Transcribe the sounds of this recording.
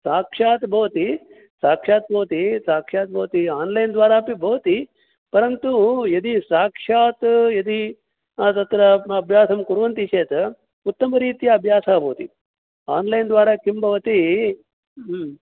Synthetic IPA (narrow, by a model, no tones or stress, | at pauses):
saːkʂaːt̪bʱɐʋɐt̪i | saːkʂaːt̪̚bʱɐʋɐt̪isaːkʂaːt̪̚bʱɐʋɐt̪iaːnlɐjnd̪ʋaːɾaːpibʱɐʋɐt̪i | pɐɾɐnt̪ujɐd̪isaːkʂaːt̪jɐd̪i | t̪ɐt̪ɾɐːbʱjaːsɐmkuɾʋɐnt̪it͡ʃʰeːt̪ɐ | ut̪ːɐmɐɾiːt̪ijɐːbʱjaːsaːbʱɐʋɐt̪i | aːnlɐjnd̪ʋaːɾaːkimbʱɐʋɐt̪i